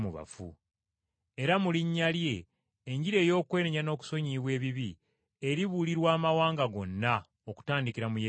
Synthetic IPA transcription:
muβa̰fṵ | e̞ɾamuliɲːalje̞ː | ɲɟiɾe̞ːjo̞ːkwe̞ːneɲano̞ːku̥so̞ɲiβwe̞ːβiβi | eɾiβuliɾwaːmawaːŋɡaɡo̞nːa | oku̥taːndikiɾamuje

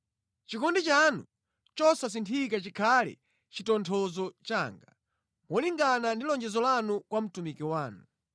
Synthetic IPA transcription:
t͡ʃikɔndit͡ʃanṵ | t͡ʃɔsas̬intʰikat͡ʃikʰalɛ̰ | t͡ʃitɔntʰɔzɔt͡ʃaːŋɡa | mɔliŋɡanandilɔɲd͡ʒɛzɔlanukwam̩tumikiwaːnu

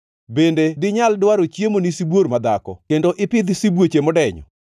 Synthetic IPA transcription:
bendedɪɲaldwaɾot͡ʃjemonisibwormad̪akɔ̰kendoʔɪpɪd̪sibwot͡ʃemɔdɛɲɔ̰

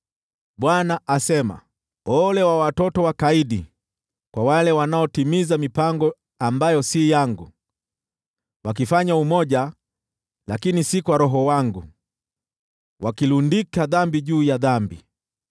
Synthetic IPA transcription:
ɓwanaʔasɛma̰ | ɔlɛwawatɔtɔwakaiɗi | kwawalɛwanaɔtimizamipaŋɡɔ | ambajɔsijaŋɡu | wak̬ifaɲaumɔʄa | lakinisikwaɾɔɦɔwaŋɡu | wakilundikaðambiʄuːjaðambḭ

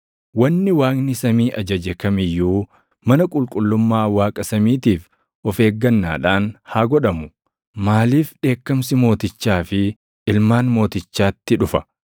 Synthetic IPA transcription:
wɐnːɪwaːknɪsɐmiːʔɐd͡ʒɐd͡ʒɛkɐmɪjːuː | mɐnɐkʼʊlkʼʊlːʊmːaːwaːkʼɐsɐmiːt̪iːf | ʔɔfe̞ːɡːɐnːa̰ːᶑaːnhaːɡɔᶑɐmʊ | maːliːfᶑe̞ːkːɐmsɪmo̞ːt̪ɪt͡ʃːaːfɪ | ɪlmaːnmo̞ːt̪ɪt͡ʃːaːt̪ːɪᶑʊfɐ̥

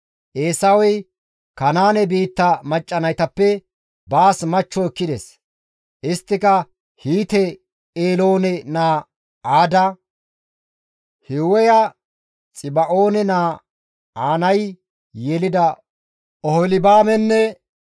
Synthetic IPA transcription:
ʔeːsɐwɔj | kɐnaːnɛbiːt̪ːɐmɐt͡ʃʼːɐnɐjt̪ɐpːɛ | baːsmɐt͡ʃːɔɪkːɪd̪ɛs | ʔɪst̪ːɪkɐ | hiːt̪ɛ | eːlo̞ːnɛnaː | aːd̪ɐ | hɪwɔjɐ | t͡sʼɪbɐʔo̞ːnɛnaː | aːnɐj | jɛlɪd̪ɐ | ʔɔhɔlɪbaːmɛnːɛ

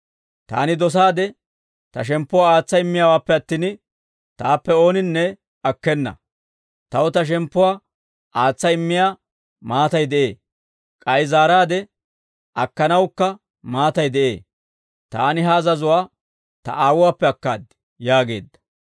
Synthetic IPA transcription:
t̪a̰ːnɪd̪ɔs̬aːd̪ɛ | t̪ɐʃ̬ɛmpːʊwaːaːt͡sːɐɪmːɪjawaːpːɛɐt̪ːiːn | t̪aːpːɛo̞ːnɪnːɛ | ɐkːɛnːɐ̰ | t̪ɐwt̪ɐʃ̬ɛmpːʊwaː | ʔaːt͡sːɐɪmːɪjaː | maːt̪ɐjd̪ɛʔe̞̰ː | kʼɐjzaːɾaːd̪ɛ | ʔɐkːɐnɐwkːɐ | maːt̪ɐjd̪ɛʔe̞̰ː | t̪a̰ːnɪɦɐːzɐzʊwaː | t̪ɐ̰ʔaːwʊwaːpːɛɐkːaːd̪ | jaːɡe̞̰ːd̪ːɐ̥

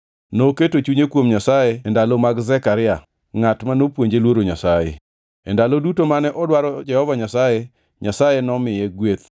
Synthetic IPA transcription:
noketot͡ʃuɲekwomɲasajeendalomaɡzɛkaɾɪa | ŋatmanopwoɲd͡ʒelwoɾoɲasajḛ | endalodutomanɛʔɔdwaɾɔd͡ʒɛhɔvaɲasaje | ɲasajenɔmɪjɛɡwet̪

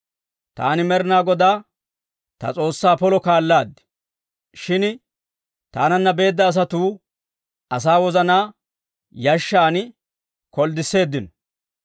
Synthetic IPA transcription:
t̪a̰ːnɪmɛɾɪnaːɡɔd̪aː | t̪ɐ̰t͡sʼo̞ːsːaːpɔlɔkaːlːaːd̪ːɪ̥ | ʃɪn | t̪aːnɐnːɐbe̞ːd̪ːɐːs̬ɐt̪uː | ɐs̬aːwɔzɐnaː | jɐʃːaːn | kɔld̪ɪsːe̞ːd̪ːɪnɔ

